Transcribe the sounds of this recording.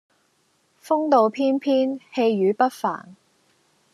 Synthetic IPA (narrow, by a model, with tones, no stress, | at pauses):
fʊ˥ŋt̪o˨˧wpʰiː˥npʰiː˥nhe˧jɥyː˨˥pɐ˥t̚fa̰ː˨˩n